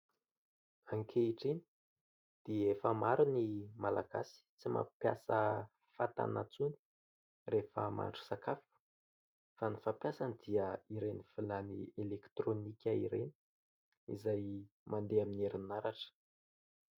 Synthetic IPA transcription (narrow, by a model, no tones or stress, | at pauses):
aŋkʰeiʈ͡ʂini̥ | d̪̥iefəmaɾunimalaɡa̰si̥t͡sima̰pja̰sə | fat̪a̰nat͡suni̥ | refəma̰ɳʈ͡ʂu̥sakafu̥ | fanifapjasanid̪̥iəiɾenifilanḭelekt̪ronikʲəḭɾḛni̥ | ḭzaj | mʔand̪eamineɾinaɾaʈ͡ʂə̥